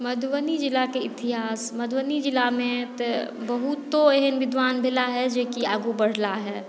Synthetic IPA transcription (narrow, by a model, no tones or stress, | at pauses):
mɐd̪ʱwənid͡ʒɪlakeɪt̪ɪɦaːsmɐd̪wənid͡ʒɪlamẽt̪bɐɦut̪ːoeɦənʋɪd̪ʱʋaːnbʱɪlaɦɛd͡ʒeːkiaːɡubəɽ̤laɦɛː